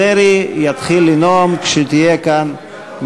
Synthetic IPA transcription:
eɾijat̪χilːinomkʃet̪ijekan | m

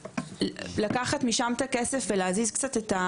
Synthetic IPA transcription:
lakaχatmiʃamet̪akesefveleazizkt͡sateta

